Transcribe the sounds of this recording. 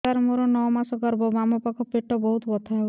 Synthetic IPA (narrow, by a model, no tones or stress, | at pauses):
aɾmoɾɔnɔwmasɔkɔɾbɔbamɔpakɔpeʈːɔbɔɦut̪bɔt̪ʰaɦe